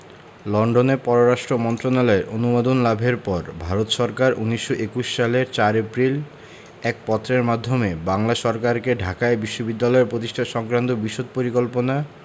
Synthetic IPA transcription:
lɔɳɖonepɔɾoɾaʃʈɾomɔnt̪ɾonalɔeɾʔonumad̪onlabʱeɾpɔɾbʱaɾot̪ʃɔɾkaɾʔuniʃːoʔekuʃːaleɾt͡ɕaɾepɾil | ɛk̚pɔt̪ːɾeɾmad̪ʱːomebaŋlaʃɔɾkaɾkeɖʱakaebiʃːobid̪ːalɔeɾpɾot̪iʃʈʰaʃɔŋkɾant̪obiʃod̪̚poɾikolpona

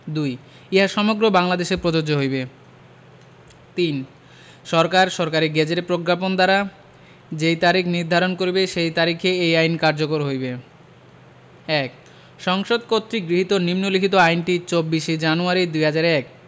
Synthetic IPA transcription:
d̪uj | iaʃɔmoɡɾobaŋlad̪eʃeɾpɾod͡ʑod͡ʑoɦojbe | t̪in | ʃɔɾkaɾʃɔɾkaɾiɡɛd͡ʑeɾepɾoɡɾapond̪aɾa | d͡ʑejt̪aɾikʰniɾd̪ʱaɾonkoɾibeʃejt̪aɾikʰeejajnkaɾd͡ʑokoɾɦojbe | ɛk | ʃɔŋʃod̪̚kot̪ːɾiɡɾiɦit̪onimnoliɦit̪oajnʈit͡ɕobːiʃed͡ʑanuaɾid̪ujɦad͡ʑaɾɛk

